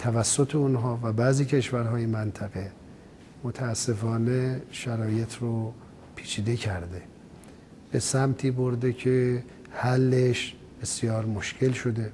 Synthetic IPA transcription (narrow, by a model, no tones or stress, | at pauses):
t̪ʰævæsːot̪ʰeunɦɒːvæbæːziːcʰe̞ʃvæɾɦɒːjemænt̪ʰæɣe̞ | mot̪ʰæːsːe̞fɒːneʃæɾɒːje̞t̪ʰɾo | pʰiːt͡ʃʰiːd̪e̞cʰæɾd̪e̞ | b̥e̞sæmt̪ʰiːboɾd̪ecʰe | hælːeʃ | b̥esjɒːɾmoʃcʰe̞lʃo̞d̪e̞